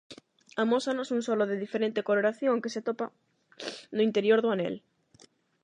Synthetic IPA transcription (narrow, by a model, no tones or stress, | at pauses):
amosanosuŋsɔloðeðifeɾẽnt̪ekoloɾaθjõŋkeseat̪opa | nʊint̪eɾjoɾðʊanɛ̰l